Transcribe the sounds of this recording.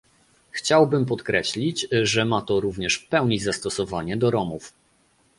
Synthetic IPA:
xt͡ɕawbɘmpɔt̪kɾɛɕlʲit͡ɕʐɛmat̪ɔɾuvɲɛʂpɛwɲizast̪ɔsɔvaɲɛd̪ɔɾɔmuf

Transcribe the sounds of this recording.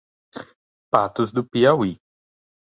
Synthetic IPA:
pat̪ʊzd̪ʊpiawi

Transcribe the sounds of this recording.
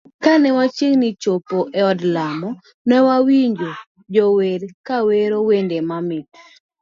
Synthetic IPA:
kanɛwat͡ʃeŋnit͡ʃopoʔeɔdlamɔ | nɛwawiɲd͡ʒo | d͡ʒɔweɾkaweɾowendemamɪt

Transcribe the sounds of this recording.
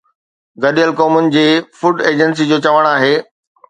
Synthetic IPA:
ɡɐɗijəlkoːmʊnɪ̆d͡ʑeːfʊɖeːd͡ʑəns̬id͡ʑoːt͡ɕɐʋəɽ̃aːɦeː

